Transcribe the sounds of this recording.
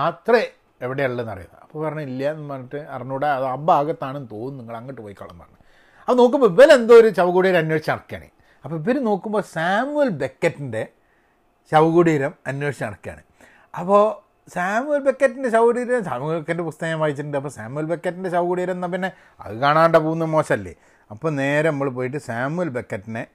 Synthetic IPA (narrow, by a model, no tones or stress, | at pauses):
at̪re | eʋiɽeɐɭːenɐ̰rijṵnːɐ̰ɐpːoːpɐrɐɲːuilːjɐenːʋɐːiʈːɨɐ̰rɐɲːuːɽeɐðɨɐbaːɣɐt̪ːaːɳnːt̪oːunniŋːɐɭɐŋːiʈːɨpoːjikːɐ̰ɭːɐ̰nɐ̰ːɐɳɨ | ɐpɐno̞ːkːumboiʋɐlɐend̪oːoɾuɕɐʋɐɣuɽiːɾɐmɐnjwo̞ːʂit͡ɕːɐmɐɽɐkːija̰ːɳḭ | ɐpːoiʋɐɾɨno̞ːkːumbo̞ːsaːmuɐlbe̞kːɐtːinde̞ | ɕɐʋɐɣuɽiɾɐmɐnjoʂi̥t͡ɕːɐmɐɽɐkːija̰ːɳḭ | ɐpːo | saːmuɐlbe̞kːɐtːindeɕɐʋɡuɽiːɾɐɾɐmsaːmukːɐndepust̪ɐjɐmʋaːjit͡ɕːiɾuɳɖɨɐp̬ːoːsaːmujɐlbekːɐʈːindeɕɐʋɐkuɽiːɾɐmenːɐp̬inːe̞ | ɐ̰ðɨkaːɳaːɳɖɐpoːɣunːɐmo̞ːɕɐmɐlːḭ | ɐpːoːne̞ːɾenɐmːɐɭp̬oːjiʈ̬ːɨsaːmujɐlbe̞kːɐtːine